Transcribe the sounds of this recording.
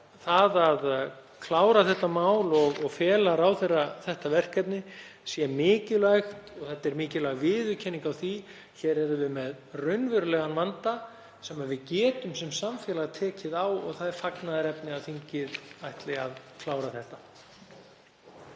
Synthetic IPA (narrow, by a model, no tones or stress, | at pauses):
θaðað | kʰlaːwɾaθɛht̪amaːwlɔɣɔɣfɛːlaɾawθɛrːaθɛht̪avɛr̥kɛpnɪsjɛmɪːcɪlaɥxt̪ɔɣθɛht̪aɛɾmɪːcɪlaɣvɪːðʏcʰɛnːiŋkawθi | çɛɾɛɾʏvɪmɛð | rœɥnvʏɾʏlœːɣanvant̪a | sɛmaðvɪðcɛːt̪ʏmsɛmsamfjɛlaɣt̪ʰɛːcɪðawɔ̰ɣθaðɛɾfaknaðaɾɛpnɪaðθiɲcɪðajht̪lɪaðkʰlaːwɾaθɛht̪a